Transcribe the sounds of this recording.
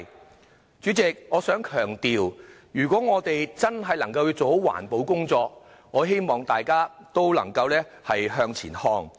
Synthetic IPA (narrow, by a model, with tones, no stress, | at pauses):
t͡ʃyː˨˥t͡sɪ˨k̚ŋɔː˨˧sœː˨˥ŋkʰœː˨˩ŋt̪iː˨wjyː˨˩kʷɔː˨˥ŋɔː˨˧t̪e˨jt͡sɐ˥nɦɐ˨jlɐ˨˩ŋkɐ˧wjiː˨˧wt͡so˨who˨˥wa̰ː˨˩npo˨˧˥wkʊ˥ŋt͡sɔː˧k̚ | ŋɔː˨˧ɦe˥jmɔː˨˩ŋt̪aː˨jkaː˥t̪o˥wlɐ̰˨˩ŋkɐ˧wlɛː˥ | hɐ˨jɦœː˧ŋt͡sʰḭː˨˩nhɔː˧ŋ